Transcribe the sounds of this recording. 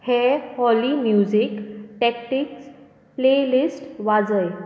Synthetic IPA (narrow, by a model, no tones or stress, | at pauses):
hehɔlimjud͡ʑikʈekʈiks | plelisʈʋad͡zəj